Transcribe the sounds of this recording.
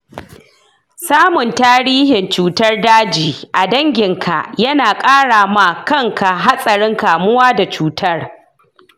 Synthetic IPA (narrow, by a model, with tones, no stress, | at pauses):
saː˦mʊ˨ntaː˦ɽiː˦hɪ˨nt͡ʃuː˨tɐ˦rdaː˦d͡ʒiː˨ʔa˨dɐ˦ŋɡʲɪ˨ŋkʰa̰˨ʔjɐ˦naː˨kʼaː˦ɽaː˨ma˨kɐ˦ŋkʰa˨ɦa˦sʼɐ˨ɽɪ˦ŋkaː˨mʊ˦waː˦da˨t͡ʃuː˨tʰɐ˦r